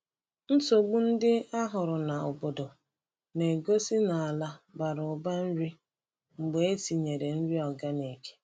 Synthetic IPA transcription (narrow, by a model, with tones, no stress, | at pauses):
n̩˦so˨ɡ͡bu˦n̩˦dɪ˦a˦ɦʊ˨ɾʊ˨na˨ʊ̰˨bo˨do˨ | ne˨ɡo˦si˦na˨a˨la˦ba˨ɾʊ˨ba˦n̩˦ɾi˦ | ŋ͡m̩˨ɡ͡be˨e˦ti˨ɲe˨ɾe˨n̩˦ɾi˦ɔ˨ɡa˦ne˨ke̥˦